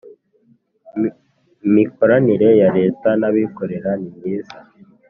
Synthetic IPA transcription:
miko̞ɾaniɾe̞jaɾe̞ːtanaβiko̞ɾe̞ɾanimɡiːza

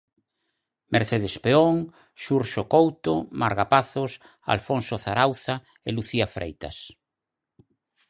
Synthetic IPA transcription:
meɾθeð̞espeoŋ | ʃuɾʃokowt̪omaɾɣapaθos | a̰lfonsoθaɾawθa | eluθiafɾʔḛjt̪a̰s

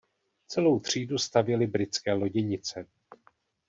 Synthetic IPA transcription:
t͡sɛlo̞wt̪r̝̥iːdust̪avjɛlɪbɾɪt͡skɛːlo̞ɟɛɲɪt͡sɛ

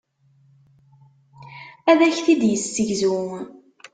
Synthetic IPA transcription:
æðæçθid̪jəsːəʝzu

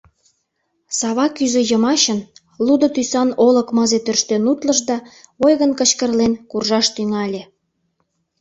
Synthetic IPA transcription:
sɑβɑkyzejəmɑɕən | lud̪ŏt̪ysɑnoləkmɤzet̪ørʃt̪enut̪lə̆ʒd̪ɑojɣənkə̆t͡ɕkə̆rlenkurʒɑʃt̪yŋɑlʲe

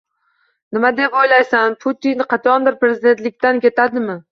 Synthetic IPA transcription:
nɪmad̪e̞pojlajsanpʰut̪ʰinːɪqʰɑt̪ʰɒɒnb̪ɪɾpɾe̞zid̪e̞nt̪lɪkʲt̪ankʲe̞t̪ʰad̪ɪmɪ

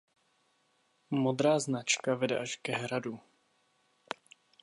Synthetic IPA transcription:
mod̪ɾaːznat͡ʃkavɛdɛ̰ʔaʃkɛɦɾadu

